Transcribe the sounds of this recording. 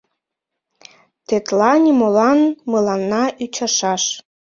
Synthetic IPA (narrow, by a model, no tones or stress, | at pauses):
t̪et̪lɑnʲimolɑnmɤlɑnːɑʔyt͡ɕɑʃɑʃ